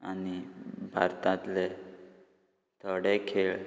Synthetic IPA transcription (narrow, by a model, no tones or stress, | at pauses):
anibʱa̰ɾt̪ãt̪le | t̪ʰəɽekʰeɭ